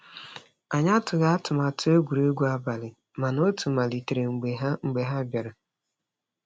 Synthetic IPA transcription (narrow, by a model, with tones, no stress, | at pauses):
a˨ɲa˦tʊ˨ɣa˦a˦tʊ˨ma˨tʰʊ˦o˦ɡʷu˨ɾe˦ɡʷu˦a˦ba˨lɪ˨ | ma˨no˦tu˨ma˨li˨te˨ɾe˨ŋ͡m̩˨˦ŋ͡m̩˨ɡ͡be˨ɦa˦bja˨ɾa˨